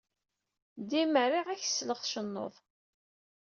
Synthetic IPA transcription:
d̪iməɾiʁæç̥sləχʃənːo̰ðˤ

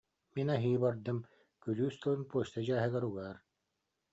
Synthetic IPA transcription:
minaɦiːbaɾd̪ɯm | kylyːst̪ɔlɯnpuɔɕt̪ad͡ʑaːɦɯɡɛɾuɡaːɾ

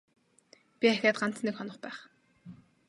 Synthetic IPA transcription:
pʲiæxʲaːt̪̚ɢan̥t͡s̪nekχɔnɞ̆χpæːχ

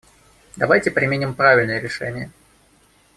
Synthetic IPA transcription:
d̪ɐvajtʲɪpɾʲɪmʲɪnʲɪmpɾavʲɪlʲnəjəɾʲɪʂɛ̰nʲɪjə

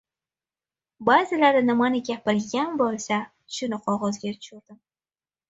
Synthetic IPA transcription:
bazɪlaɾnɪmanɪɡʲapɪɾɡʲanbolˠsa | ʊ̥ʃʊnɪqʰɒʁɒzɡʲaʊ̥t͡ʃʰʊɾd̪̥ɪm

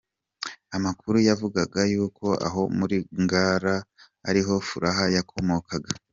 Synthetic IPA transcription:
amakuɾujavuɡaɡajuːko̞ʔa̰ɦo̞muɾiŋɡaːɾaː | ɾiɦo̞fuɾaɦajakʰo̞moːkʰaɡa

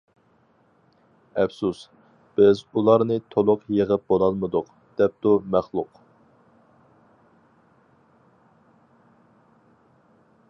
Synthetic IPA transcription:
ɛfsus | b̥ɪzulˠɑɾnɨt̪ʰolˠʊqjəʁəp̚bolˠɑlˠmɨd̪ʊq | d̪̥ɛp̚t̪umæχlˠʊq

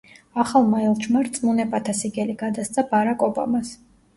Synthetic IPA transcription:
aχalˠmaɛlˠt͡ʃʰmaɾt̪sʼmunɛpʼat̪ʰasiɡɛliɡad̪ast̪sʰʼabaɾakʼɔba̰mas

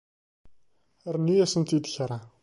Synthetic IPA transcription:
ɾnijæsənt̪id̪çɾˤa

